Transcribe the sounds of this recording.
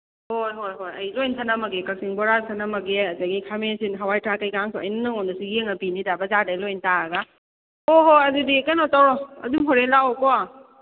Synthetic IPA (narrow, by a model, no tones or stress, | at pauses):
hojɦojɦojɐjlojnsʰanamɐɡekɐksiŋbɔɾasʰanamɐɡeɐzaɡikʰamesinɦawajtʰɾakajkaŋsʰɔɐ̰jnnɯŋɔndɐsuɡieŋɐpinidabɐzadalojntaɾɐɡa | hoɦojɐzudikajnɔtawɾɔɐ̰dumɦoɾelawkɔa